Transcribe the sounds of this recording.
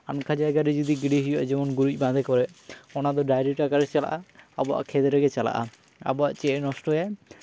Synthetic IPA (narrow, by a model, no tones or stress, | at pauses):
ankʰad͡ʒajɡaɾɛd͡ʒɔd̪iɡiɽiɦijɔwaʔd͡ʒɛmɔnɡuɾic̚ˀbãd̪ʱɛkɔɾɛɔnad̪ɔɖajɾiʈakaɾɛt͡ʃala̰ʔaa̰bɔa̰ʔkʰɛd̪ɾɛɡɛt͡ʃala̰ʔa̰ | a̰bɔa̰ʔt͡ʃɛnɔsʈɔja